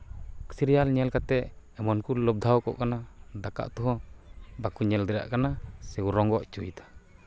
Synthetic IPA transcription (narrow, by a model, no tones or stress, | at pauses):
ksiɾijalɲɛlkat̪ɛʔ | ɛmɔnkulɔb̚d̪ʱawkɔ̰ʔkanad̪aka̰ʔt̪uɦɔ̃bakuɲɛld̪ɛɾa̰ʔkanasɛwuɾɔŋɡɔʔt͡ʃujt̪ḁ